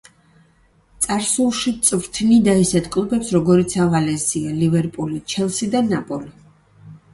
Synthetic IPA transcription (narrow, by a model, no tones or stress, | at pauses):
t̪sʼaɾsulˠʃit̪sʼvɾt̪ʰnid̪aisɛt̪ʰkʼlˠubɛpsɾɔɡɔɾit̪sʰavalɛzialivɛɾpʼulit͡ʃʰɛlˠsid̪anapʼɔli